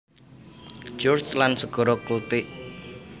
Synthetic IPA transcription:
d͡ʒɔrt͡ʃlansəɡ̥ɔ̤ɾɔklut̪ɪʔ

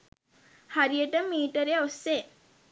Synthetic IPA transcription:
haɾijəʈəmiːʈəɾeosːe

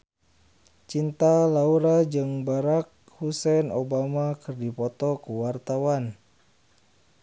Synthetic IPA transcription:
t͡ʃint̪alauɾad͡ʒɨŋbaɾak̚ | husɛnobamakɨrdipɔt̪ɔkuwart̪awan

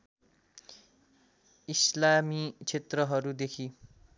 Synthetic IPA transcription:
islamit͡sʰet̪rʌɦʌɾud̪ekʰi

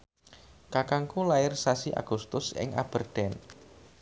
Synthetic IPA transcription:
kakaŋkulaɪrsasiʔa̰ɡ̥ust̪ʊsɪ̰ŋʔa̰b̥ərd̪̥ɛn

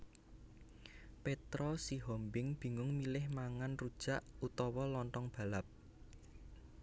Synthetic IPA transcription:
pet̪ɾɔsiɦɔmbɪŋb̥i̤ŋʊŋmilɪhmaŋanrud̥ʒ̥a̤ʔut̪ɔwɔlɔnt̪ɔŋb̥ä̤lap̚

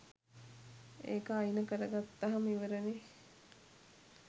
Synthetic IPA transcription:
ḛːkəajnəkəɾəɡat̪ːaɦamiʋəɾəne

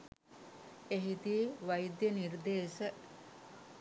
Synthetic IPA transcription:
eɦit̪iːʋajd̪jənird̪eːʃə

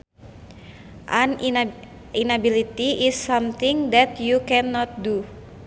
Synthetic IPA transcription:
ʔan | inabilit̪iisːamt̪ɪŋd̪ɛt̪jukɛnɔt̪̚du

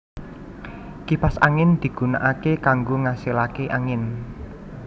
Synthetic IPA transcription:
kipasaŋɪnd̪̥i̤ɡ̥ṳnaʔakekaŋɡoŋasilakeʔaŋɪn

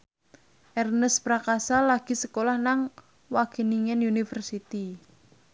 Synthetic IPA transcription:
ʔɛrnəspɾakasalaɡ̥i̤səkolahnaŋ | waɡ̥e̤niŋɛnjunifərsit̪i

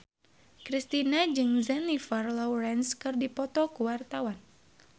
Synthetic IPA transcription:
kɾist̪inad͡ʒɨŋzɛnifarlɔwɾɛnskɨrdipɔt̪ɔkuwart̪awan

